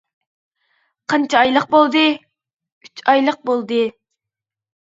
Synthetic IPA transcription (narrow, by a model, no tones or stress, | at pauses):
qʰɑnt͡ʃʰɑɑjlˠəq̚bolˠd̪ɨ | yt͡ʃɑjlˠəq̚bolˠd̪ɨ